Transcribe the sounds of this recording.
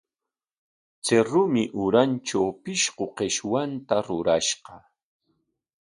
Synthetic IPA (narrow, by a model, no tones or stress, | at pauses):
t͡seɾʊmɪʔʊɾanʈ͡ʂawpɪʃqoqeʃwant̪aɾʊɾaʃqɑ